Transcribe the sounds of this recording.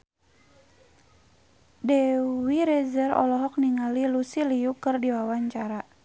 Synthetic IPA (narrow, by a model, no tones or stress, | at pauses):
dɛwiɾɛzɛrɔ̰lɔɦɔk̚niŋalilusilijukɨrdiwawaɲt͡ʃaɾa